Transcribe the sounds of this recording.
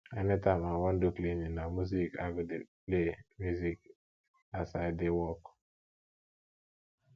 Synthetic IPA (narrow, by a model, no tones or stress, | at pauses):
anɛtamawandukleɲinamuzikaɡud | lemuzik̚ | asadewɔk